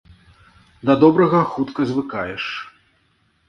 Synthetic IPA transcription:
d̪ɐd̪ɔbɾɐɣɐxut̪kɐzʲvɨkajɛʂ

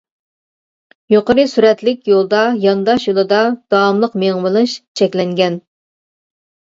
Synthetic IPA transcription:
joqəɾɨsyɾɛt̪lɪk̚ʲjolˠd̪ɑjɑnd̪ɑʃjolˠɨd̪ɑd̪̥ɑːmlˠəqmeŋmɨlˠɨʃt͡ʃʰɛkʲlɛŋɡʲɛn

